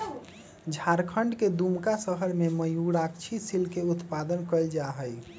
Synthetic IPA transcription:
d͡ʒʱaɾkʰəɳɖked̪umkasəɦəɾmeməjuɽakt͡ʃʰisilkeut̪pad̪ənkəld͡ʒaɦəj

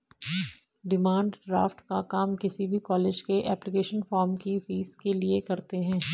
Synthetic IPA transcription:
ɖɪmãːɳɖɖɾa̰ːfʈkakaːmkɪsibʱikɔːleːd͡ʒkeʔɛːplɪkeːʃənfɔːɾmkifiːzkeliekɐɾt̪eɦɛ̃ː

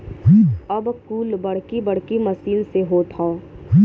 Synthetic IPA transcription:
ɐbkuːlbɐɽ̤kibɐɽ̤kimɐsiːlseɦot̪ʰaː

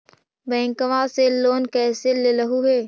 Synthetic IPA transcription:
bɛ̃ːŋkəʋãseloːnkɛːseleləɦuɦeː

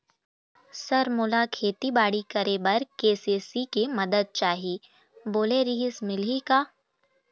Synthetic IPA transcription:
sɐɾmʊlakʰeːt̪ibaːɽikɐɾebɐɾkeːseːsikemɐd̪əd̪̚t͡ʃaːɦiː | boːleɾiɦɪsmɪlɦikaː

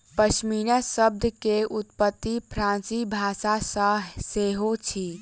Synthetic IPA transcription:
pəʃmiɾəsəb̚d̪ʱəkeʔut̪pət̪ːipʰɾãnsibʱasasə̃seɦot͡ʃʰi

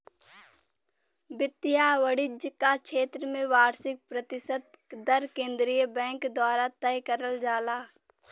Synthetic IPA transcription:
bɪt̪ːɪjaːʋəɽɪd͡ʒkakʃeːt̪ɾəmẽʋaːɾsɪk̚pɾət̪ɪsəd̪̚d̪əɾkẽːnd̪ɾijəbɛ̃ːŋkd̪waːɾat̪ɛjkəɾəld͡ʒaːlaː

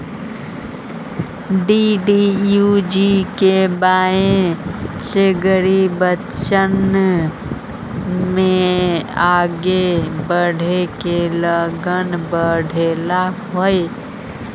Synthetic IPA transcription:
ɖiɖijud͡ʒikebaːẽ | seɡəɾibə | t͡ʃən | mẽ | aːɡebəɽ̤ʱekeləɡənbəɽʱeːlaɦoːe

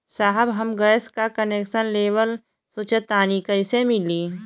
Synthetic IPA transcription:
saːɦəbɦɐmɡəskakəneːkʃənleːʋəl | sʊt͡ʃət̪aːnikəɪsemɪliː

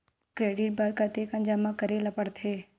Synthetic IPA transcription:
kɾeːɖɪʈ̚bɐɾkat̪eːkɐ̃nd͡ʒaːmakɐɾelɐpəɽt̪ʰeː

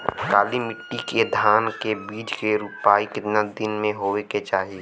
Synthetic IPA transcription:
kaːlimɪʈːiked̪ʱaːnkebiːd͡ʒkeɾuːpaːikɪt̪nad̪ɪnmẽɦoːeket͡ʃaːɦiiː

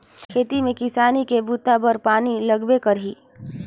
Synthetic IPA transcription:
kʰeːt̪imẽkɪsaːnikebut̪abəɾpaːnilɐɡbekɐɾɦiː

